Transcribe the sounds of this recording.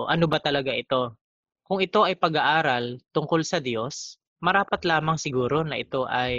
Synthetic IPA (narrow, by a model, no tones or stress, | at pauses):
ʔɐno̞bɐt̪ɐlɐɡaʔɪt̪o̞ | kʊŋɪt̪o̞ʔɐjpɐɡaʔaːɾɐlt̪ʊŋko̞lsɐd̪jo̞s | mɐɾaːpɐt̪laːmɐŋsɪɡuːɾo̞nɐʔɪt̪o̞ʔɐj